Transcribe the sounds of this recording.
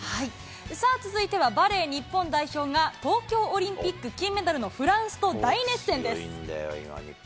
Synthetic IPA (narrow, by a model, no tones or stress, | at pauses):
hai | sat͡sɨzɨit̪e̞βabaɾe̞ːɲ̟ipːõ̞nd̪aiço̞ːŋat̪o̞ːkʲo̞ːɾʲĩmpʲikːɯ̟kʲĩmet̪aɾɯ̟no̞ɸɯ̟ɾãɰ̃sɨ̥t̪o̞d̪aine̞sẽ̞nd̪e̞sɨ̰